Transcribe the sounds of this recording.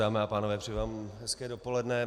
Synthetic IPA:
aːmɛapaːnovɛːpr̥ɛjːvaːmɦɛskɛːdopolɛdnɛ

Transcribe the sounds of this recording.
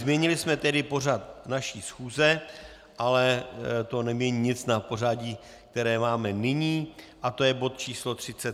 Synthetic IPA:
zmjɛɲɪlɪsmɛt̪ɛdɪpo̞rat̪̚naʃiːsxuːzɛ | ʔalɛt̪o̞nɛmɲɛɲiɲɪt͡snapo̞raːɟiː | k̚t̪ɛɾɛːmaːmɛnɪɲiː | ʔat̪o̞jɛbo̞t̪t͡ʃiːslo̞t̪r̝̥ɪt͡sɛt̪

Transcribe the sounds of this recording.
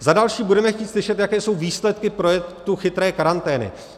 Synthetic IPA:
zadalʃiːbudɛmɛxciːt̪slɪʃɛt̪jakɛːso̞wviːslɛt̪kɪpɾojɛkt̪uxɪt̪ɾɛːkaɾant̪ɛːnɪ̰

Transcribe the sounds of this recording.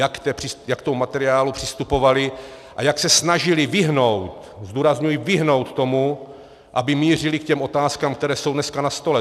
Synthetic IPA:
jakt̪ɛpr̥ɪjakt̪omumat̪ɛɾɪaːlupr̝̥ɪst̪upo̞valɪ | ʔajaksɛsnaʒɪlɪvɪɦno̞wt̪ | zd̪uːɾazɲujivɪɦno̞wt̪t̪o̞mu | ʔabɪmiːr̝ɪlikcɛmʔo̞t̪aːskaːmkt̪ɛɾɛːso̞wdnɛskanast̪o̞lɛ

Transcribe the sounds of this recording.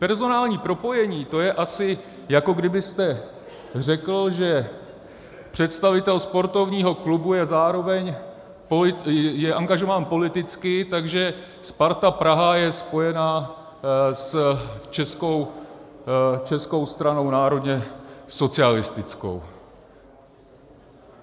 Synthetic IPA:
pɛɾzo̞naːlɲiːpɾo̞po̞jɛɲiːt̪o̞jɛʔasɪ | jako̞ɡdɪbɪst̪ɛ | rɛkl̩ʒɛ | pr̝̥ɛt̪st̪avɪt̪ɛlspo̞ɾt̪o̞vɲiːɦo̞klubujɛzaːɾo̞vɛɲ | polɪjɛʔaŋɡaʒo̞vaːnpo̞lɪt̪ɪt͡skɪt̪aɡʒɛ | spaɾt̪apɾaɦajɛspo̞jɛnaː | st͡ʃɛskow | t͡ʃɛsko̞wst̪ɾano̞wnaːɾo̞d̪ɲɛso̞t͡sɪalɪst̪ɪt͡sko̞̰w

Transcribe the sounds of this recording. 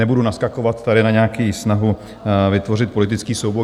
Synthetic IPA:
ɛbudunaskakovat̪ːaɾɪnaɲɛakiːsnaɦu | vɪt̪vo̞r̝ɪt̪̚po̞lɪt̪ɪt͡skiːsowbo

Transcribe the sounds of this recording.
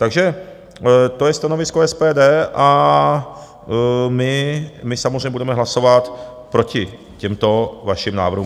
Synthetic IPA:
t̪aɡʒɛ | t̪ojɛst̪ano̞vɪskoɛspɛːdɛːʔa | mɪmɪsamozrɛɲɛbudɛmɛɦlaso̞vat̪ | pɾo̞cɪ | cɛmt̪o̞vaʃɪmna̰ːvɾr̩ɦum

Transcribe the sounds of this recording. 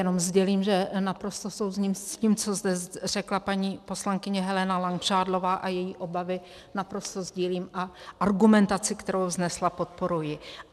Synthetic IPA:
jɛno̞mzɟɛliːmʒɛnapɾo̞st̪o̞sowzɲimciːmt͡so̞zd̪ɛr̝ɛklapaɲiːpo̞slaŋkɪɲɛɦɛlɛnalaŋkr̝̥aːdlo̞vaːʔajɛjiːʔo̞bavɪ | napɾo̞st̪o̞zɟiːliːmʔaʔaɾɡumɛnt̪at͡sɪkt̪ɛɾo̞wznɛslapo̞t̪̚po̞ɾujɪ

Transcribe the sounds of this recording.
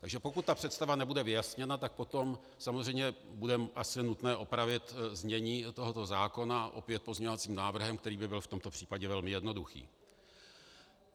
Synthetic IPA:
t̪aɡʒɛpo̞kut̪̚ːapr̝̥ɛt̪st̪avanɛbudɛvɪjasɲɛnat̪ak̚po̞t̪o̞m | samozrɛjmɲɛbudɛʔasɪnut̪nɛːʔo̞pɾavɪt̪zmɲɛɲiːt̪o̞ɦo̞t̪o̞zaːko̞naʔo̞̰pɪjɛt̪̚pozɲɛɲovat͡siːmnaːvr̩ɦɛmkt̪ɛɾiːbɪbɪlft̪o̞mt̪o̞pr̝̥iːpaɟɛvɛlmɪjɛdno̞duxḭː

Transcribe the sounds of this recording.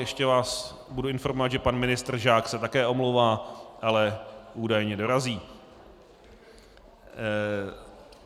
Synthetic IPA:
jɛʃcɛvaːs | buduɪnfo̞ɾmovad̪ʒɛpanmɪnɪst̪r̩ʒaːksɛt̪akɛːʔo̞mlowvaːʔalɛʔuːdajɲɛdo̞ɾaziː

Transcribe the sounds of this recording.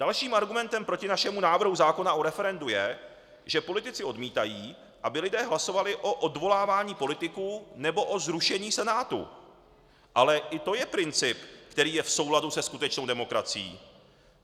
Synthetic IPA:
d̥alʃiːmaɾɡumɛnt̪ɛmpɾocɪnaʃɛmunaːvr̩ɦuzaːko̞naʔoɾɛfɛɾɛndujɛ | ʒ̥ɛpo̞lɪt̪ɪt͡sɪo̞dmiːt̪ajiː | ʔabɪlɪdɛːɦlaso̞valɪʔo̞ʔodvo̞laːvaːɲiːpo̞lɪt̪ɪkuːnɛbo̞ʔo̞zɾuʃɛɲiːsɛnaːt̪ṵ | ʔalɛʔɪt̪o̞jɛpɾɪnt͡sɪpkt̪ɛɾiːjɛfso̞wladusɛskut̪ɛt͡ʃno̞wdɛmo̞kɾa̰t͡sɪjḭː

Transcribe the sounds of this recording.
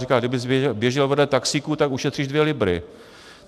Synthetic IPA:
ikaːɡdɪbɪzbjɛʒɪlvɛdlɛt̪aksikut̪akuʃɛt̪r̥iːʒdvjɛlɪbɾɪ̰

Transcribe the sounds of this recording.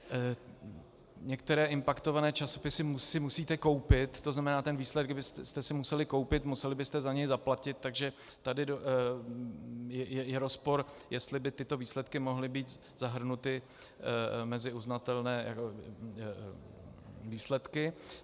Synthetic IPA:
ɲɛk̚t̪ɛɾɛːʔɪmpakt̪ovanɛːt͡ʃaso̞pɪsɪmusɪmusiːt̪ɛko̞wpɪt̪ːoznamɛnaːt̪ɛnvislɛd̪̚ɡdɪbɪst̪ɛst̪ɛsɪmusɛlɪko̞wpɪt̪musɛlɪbɪst̪ɛzaɲɛjzaplacɪt̪̚t̪ːaɡʒɛt̪adɪdo | jɛjɛjɛɾospo̞ɾjɛst̪lɪbɪt̪ɪt̪o̞viːslɛt̪kɪmo̞ɦlɪbiːt̪ | zaɦr̩nut̪ɪ | mɛzɪuznat̪ɛlnɛːja̰ko | viːslɛt̪kɪ

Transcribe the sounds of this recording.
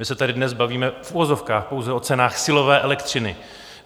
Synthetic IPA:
mɪsɛt̪adɪdnɛsbaviːmɛfuvozo̞fkaːxpo̞wzɛʔo̞t͡sɛnaːxsɪlo̞vɛːʔɛlɛkt̪rɪnɪ

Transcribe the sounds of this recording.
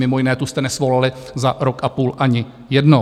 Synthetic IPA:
mɪmojɪnɛːt̪ust̪ɛnɛsvo̞lalɪzaɾokʔapuːlʔaɲɪ | jɛdno

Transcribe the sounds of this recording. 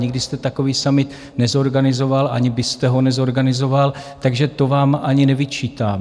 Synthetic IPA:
ɲɪɡdɪst̪ɛt̪ako̞viːsamɪt̪ | nɛzo̞ɾɡanɪzo̞valʔa̰ɲɪbɪst̪ɛɦo̞nɛzo̞ɾɡanɪzo̞valt̪aɡʒɛt̪o̞vaːmʔaɲɪnɛvɪt͡ʃiːt̪aː

